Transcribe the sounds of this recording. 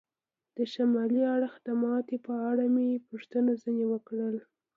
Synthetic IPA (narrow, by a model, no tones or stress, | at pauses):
d̪̥əʃamɑliaɽəxd̪əmɑt̪epəaɽamepuʂt̪ənazənewəkɽəl